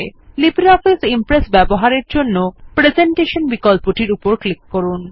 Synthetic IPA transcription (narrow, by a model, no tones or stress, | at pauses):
libɾiɔfisimpɾesbɛboɦaɾeɾd͡ʑonːopɾed͡ʑeɳʈeʃonbikɔlpoʈiɾupoɾklikːoɾun